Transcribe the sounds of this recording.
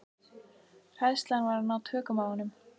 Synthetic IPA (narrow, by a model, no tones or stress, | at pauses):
r̥ajðst̪lanvaɾanawt̪ʰœːkʏmaːwʏnʏm